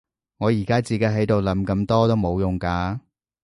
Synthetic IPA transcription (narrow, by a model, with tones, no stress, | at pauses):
ŋɔː˨˧jiː˨˩kaː˥t͡siː˨˧kɐ˨˥jɦɐ˨˥jt̪o˨wlɐ˨˥mkɐ˧mt̪ɔː˥t̪o˥wmo˨˧wjʊ˨ŋkaː˧